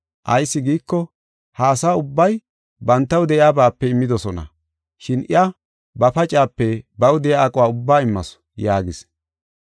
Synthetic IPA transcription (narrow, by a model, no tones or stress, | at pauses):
ʔɐjsːɪɡiːkːɔ | haːsaːʊbːɐj | bɐnt̪ːɐwd̪ɛʔɪjaːbaːpːɛɪmːɪd̪ɔsɔnɐ̰ | ʃɪnʔɪ̰ɐ | bɐpɐt͡ʃʼaːpːɛbɐwd̪ɛjaɐkʼʊwaːʊbːaːɪmːɐs | jaːɡɪs